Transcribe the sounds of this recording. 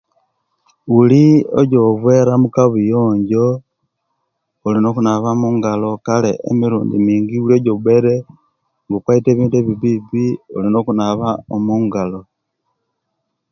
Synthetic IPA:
ulioɟoβweɾamukaβujoːɲɟo̞ | olino̞kunaβamuːŋɡalo̞kalḛʔḛmiɾuːndimiːŋɡiulioɟoβwe̞ɾe | ŋɡokwaite̞βiːndueβiβiβiolino̞kunaβaomuːŋɡalo

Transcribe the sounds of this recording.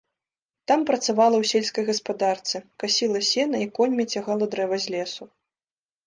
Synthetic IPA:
t̪ampɾɐt̪savalˠɐwsʲelʲskɐjɣɐspad̪art̪sɨkasʲilˠɐsʲɛnɐikɔnʲmʲɛt͡sʲaɣalˠɐd̪ɾɛvɐzʲlʲɛsu

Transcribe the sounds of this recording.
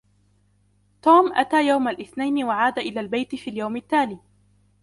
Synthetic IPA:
t̪uːmʔat̪aːjawmalʔɪθnajnɪwaʕaːd̪aʔɪlaːlbajt̪ɪfiːljawmɪt̪ːaːliː

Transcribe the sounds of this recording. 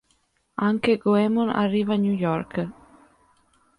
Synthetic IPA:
aŋkeɡoemona̰rːivanujɔɾk

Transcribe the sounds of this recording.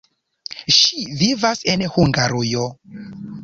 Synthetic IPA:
ʃivivasenhuŋɡaɾujo

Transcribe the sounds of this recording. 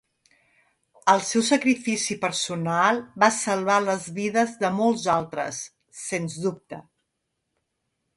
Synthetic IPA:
əlˠsɛwsəkɾifisipəɾsunalˠβasəlˠβaləzβiðəzðəmɔlˠzalˠt̪ɾə̰sː | enzðup̚t̪ə

